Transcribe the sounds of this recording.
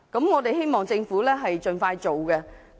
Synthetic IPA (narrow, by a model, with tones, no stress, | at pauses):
kɐ˨˥mŋɔː˨˧t̪e˨jɦe˥jmɔː˨˩ŋt͡sɪ˧ŋfuː˨˥lɛː˥ɦɐ˨jt͡ʃɵ˨nfaː˧jt͡ʃo˨wkɛ˧